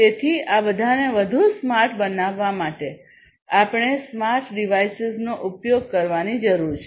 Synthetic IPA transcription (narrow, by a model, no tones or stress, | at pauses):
t̪et̪ʰiabəd̪ʱaneʋəd̪ʱusmaɾʈʰbənaʋːamaʈe | apɳ̃esmaɾʈɖiʋajsɪznoʔupjoɡ̚kəɾʋanid͡ʒəɾuɾt͡ʃʰe